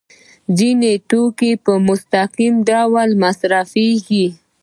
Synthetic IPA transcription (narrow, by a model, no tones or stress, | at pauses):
zineʈokepəmʊst̪aqimɖawalmasɾafeɡi